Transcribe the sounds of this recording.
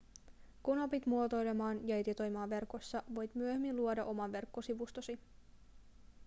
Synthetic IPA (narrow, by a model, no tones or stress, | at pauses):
kunopit̪muot̪o̞jlemɑːnjɑed̪it̪o̞jmɑːʋːe̞rko̞sːɑʋo̞jt̪myøhemːinluodɑʔo̞mɑʋʋe̞rkːosiʋust̪osi